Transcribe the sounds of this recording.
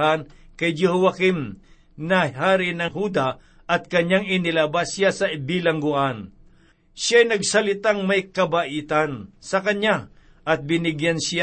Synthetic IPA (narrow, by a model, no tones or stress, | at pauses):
an | kɐjd͡ʒɛɦʊwakɪm | nɐhaːɾɪnɐŋhud̪a | ʔɐt̪̚kɐɲaŋɪnɪlabasjasɐbilaŋɡʊʔan | ʃjaːjnɐɡsɐlɪt̪aŋmajkɐbaʔit̪ansɐkɐɲa | ʔɐt̪̚bɪnɪɡjansa